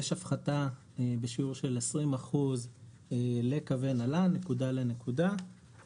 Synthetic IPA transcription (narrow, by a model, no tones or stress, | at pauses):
jeʃafχata | be̞ʃiuʁʃelesʁimaχuz | ele̞kavenalane̞kudalenekuda